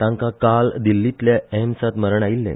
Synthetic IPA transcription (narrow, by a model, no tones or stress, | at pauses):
t̪ãŋkãkald̪ilːit̪ljaɦmsat̪məɾəɳailːḛ̃